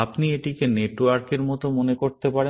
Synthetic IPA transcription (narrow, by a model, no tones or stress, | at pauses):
apnieʈikeneʈwaɾkeɾmɔt̪omonekoɾt̪epaɾe